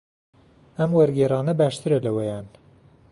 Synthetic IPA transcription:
ɐmwɐɾɡeːrˤɑːnɐbæːʃt̪ɨɾɐlɐwɛjɑːn

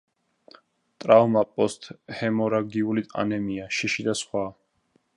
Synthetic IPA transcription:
t̪ʼɾavmapʼɔst̪ʰʼhɛmɔɾaɡiulit̪ʼa̰nɛmiaʃiʃid̪asχwa

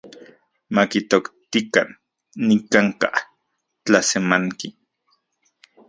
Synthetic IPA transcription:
makit̪okt̪ikanː | ikaŋka̰ | t͡ɬasemaŋki

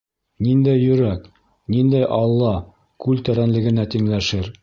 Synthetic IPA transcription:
nind̪æjːɵ̆ɾæk | nind̪æjʔɑlˠːɑ | kʉlt̪æɾænlɘ̆ɡɘ̆næt̪iŋlæʃɘɾ

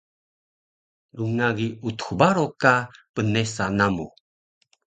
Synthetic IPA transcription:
luŋaɡiut̪u̥xubaɾokapənesanamu

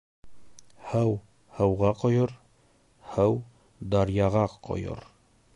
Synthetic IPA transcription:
hæw | hɤwʁɑqŏjoɾ | hæw | d̪ɑɾjɑʁɑqo̰jo̰ɾ

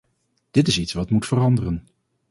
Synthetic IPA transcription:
d̥ɪtɪsitsʋɑtmutfərɑndərən

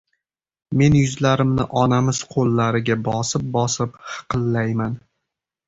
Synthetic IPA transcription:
me̞njʊzlaɾɪmnɪ̰ʔɒnamɪz̥qʰolˠːaɾɪɡʲabɒsɪp̚bɒsɪpχɨ̥qʰɨlːajman

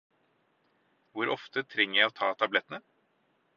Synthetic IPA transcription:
ʋʊɾʔɔft̪ət̪ʰɾɛŋːəɾjæɪoːt̪ʰɑːt̪ʰɑblɛt̪nə

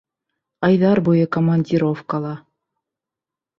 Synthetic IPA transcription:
ɑjðɑrbujɤkomɑnʲdʲiɾofkɑlˠɑ

